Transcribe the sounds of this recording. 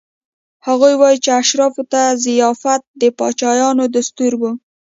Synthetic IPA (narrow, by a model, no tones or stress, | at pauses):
haɣujwɑjit͡ʃeaʃɾɑfot̪azɪjɑfat̪̚d̪əpɑt͡ʃɑjɑnod̪ast̪uɾwu